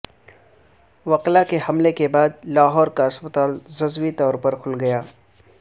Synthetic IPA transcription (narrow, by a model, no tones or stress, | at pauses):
ʋɐqlakehɐmlekebaːd̪laːɦɔːɾkaɐspət̪aːlzɐzwit̪ɔːɾpɐɾkʰʊlɡɐjaː